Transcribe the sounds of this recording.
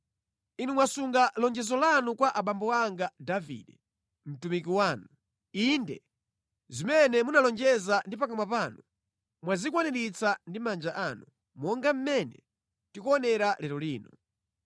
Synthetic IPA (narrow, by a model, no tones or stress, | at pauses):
inumwasuŋɡalɔnd͡ʒɛzɔlanukwaʔaɓambɔaŋɡadavḭɗɛ | m̩tumik̬iwaːnu | indɛ̰ | zimɛnɛmunalɔnd͡ʒɛzandipakamwapaːnu | mwazikwanɛɾit͡sandimand͡ʒaʔanu | mɔŋɡam̩mɛnɛ | tikɔːnɛɾalɛɾɔliːnɔ